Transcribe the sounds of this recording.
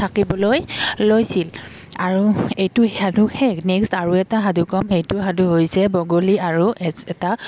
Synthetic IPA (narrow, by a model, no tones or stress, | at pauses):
tʰakibɔlojlojsil | aɹuejtʊadʱuhɛnɛkstaɹuɛtaɦadʱukɔmhejtʊɦadʱuɦojsɛbɔɡoliaɹuɛɛta